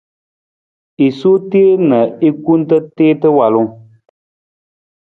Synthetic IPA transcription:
i˨su˦te˦e˦nə˨i˦ku˦n̩˦tə˦teː˦tə˦wa˨lu˦ŋ

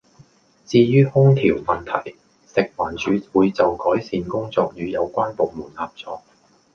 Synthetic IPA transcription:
t͡siː˧jyː˥hʊ˥ŋt̪ʰiː˨˩wmɐ˨˩nt̪ʰɐ̰˨˩j | sɪ˨k̚waː˨˩nt͡ʃyː˨˥wuː˨˧jt͡sɐ˨wkɔː˨˥jsiː˧nkʊ˥ŋt͡sɔː˧k̚jyː˨˧jɐ˨˧wkʷaː˥npo˨wmuː˨˩nlaː˨p̚t͡sɔː˧k̚

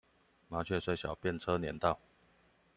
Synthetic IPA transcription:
ma˨˧˥t͡ɕʰɥɛ˥˧˩swe˥ɪɕjɑ˨˩ʊpjɛ˥˨nt͡sʰɤ˦njɛ̰˧˥nt̪ɑ˥˨ʊ

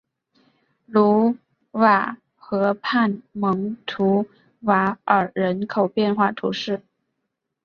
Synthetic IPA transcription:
lu˧˥ | wa˨˩ | xɤ˧˥pʰa˥˩nmɤ˧˥ŋt̪ʰu˧˥ | wa˧˥ə˞˨˩ɻə˧˥nkʰo˨˩ʊpjɛ˥˧nxwa˥˩t̪ʰṵ˧˥ʂɻ̩˥˩

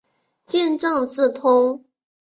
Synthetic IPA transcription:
t͡ɕjɛ˥˧nʈ͡ʂɤ˥˧ŋt͡sɹ̩˥˩t̪ʰʊ˥ŋ

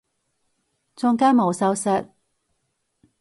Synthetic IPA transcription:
t͡sʊ˥ŋkaː˥nmo˨˧wsɐ˨˥wsɐ˨˧t̚

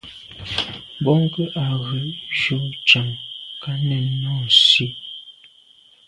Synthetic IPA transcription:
bɔ˦ŋ˦kə˦ʔa˨ɣə˨˦ʒo˨˦t͡ʃa˨ŋka˦nɛ˨nnɔ˦˨n˨si˦

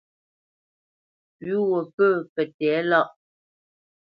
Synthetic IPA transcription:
ɥu˦wə˨pə˦˨pɛ˨tɛ˨˦lɔ˦˨ʔ

